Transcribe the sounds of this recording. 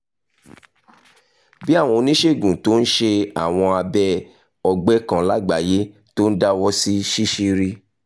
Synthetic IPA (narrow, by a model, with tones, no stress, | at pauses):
bi˦a˦˨w̃ɔ̃˧o˧nĩ˦ʃe˦˨ɡũ˨to˦n̩˦ʃe˧a˦˨w̃ɔ̃˧a˧bɛ˦ | ɔ˧ɡ͡bɛ˦kã˨la˦ɡ͡ba˨je˦ | to˦n̩˦da˦wɔ˦si˦ʃi˦ʃi˦ɾi˦